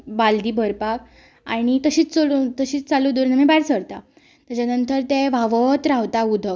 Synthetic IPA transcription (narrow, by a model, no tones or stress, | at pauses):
bald̪iːbʱəɾpak | aɽ̃it̪əɕiːt͡st͡solut̪əɕiːt͡st͡salud̪uɾnəmebaɾsəɽt̪a | t̪at͡ɕanənt̪əɾt̪eʋaʋət̪ɾaʋt̪aud̪ʱək